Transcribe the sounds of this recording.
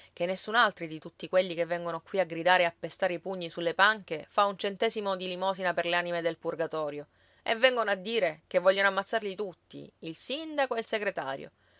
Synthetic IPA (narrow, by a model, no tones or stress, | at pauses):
k̟enːesːunalt̪ɾid̪it̪ut̪ːikweʎːikevːɛŋɡonokwiaɡɾid̪aːɾeapːest̪aːɾeipuɲːisulːepaŋkefaunt͡ʃent̪ɛːzimod̪ilimɔːsinaperleanimed̪elpurɡat̪ɔːɾjo | ḛvːɛŋɡonoad̪ːiːɾek̟evːɔʎːanoamːat̪sːarʎit̪ut̪ːḭilsind̪akoelseɡɾet̪a̰ːɾjo̰